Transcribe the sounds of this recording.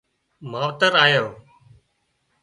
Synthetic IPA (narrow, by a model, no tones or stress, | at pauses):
m̤aːʋt̪əɾaːjoː